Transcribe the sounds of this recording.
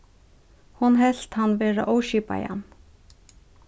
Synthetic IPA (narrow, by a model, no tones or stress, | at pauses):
hʊnɦɛɬt̪hanːʋeːɾa̰ʔowʃiːpa̰ja̰n